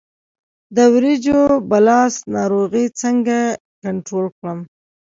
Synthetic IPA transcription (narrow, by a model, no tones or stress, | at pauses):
d̪əwɾid͡ʒobalɑsnɑɾoɣit͡səŋɡa | kaɳʈɾolkɽəm